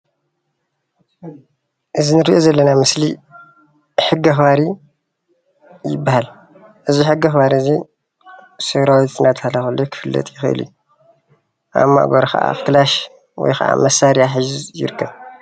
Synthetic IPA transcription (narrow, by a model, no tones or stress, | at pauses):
ʔɨzinɨɾiʔozɐlːɐnamɨsli | ħɨɡːɐxbaɾi | jɪbːahal | ʔɨziħɨɡɐxβaɾizi | sɨɾawit̪ɨnat̪ʰhalːaxɨlːokʰɨ̥fɨlːɐ̰t̪ʼjɪxɨʔɨ̰lṵju | ʔa̰mːa̰ʔɡɐɾkʰɐ̰ʔa̰xt̪ɨlaʃ | wɔ̰jxʰɐ̰ʔa̰mɐsaɾijaħɨʒjɪ̰ɾɨkʰːɐβ